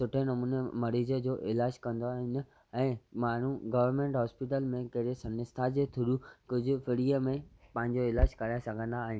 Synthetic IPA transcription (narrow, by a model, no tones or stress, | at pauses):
sʊʈʰenɐmuːnemɐɾiːd͡ʑəd͡ʑoːʔɪlaːd͡ʑkɐ̃nd̪oaːɦɪn̆ | ɛ̃ːmaːn̤uɡɐʋəɾmẽɳʈɦɔːspɪʈ̬əlmẽkɐɦɪɾesɐ̃nɪst̪ʰad͡ʑeːt̪ʰʊɾukʊd͡ʑʱʊ̆fɪɾiːəmẽpɐ̃ɦɪ̃ɲd͡ʑoɪlaːd͡ʑkɐɾaːjẽsɐɡʱə̃nd̪aːɦɪn̆